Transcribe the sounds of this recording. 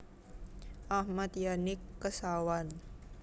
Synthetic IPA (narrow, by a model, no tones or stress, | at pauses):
ʔahmat̪janɪkːəsawan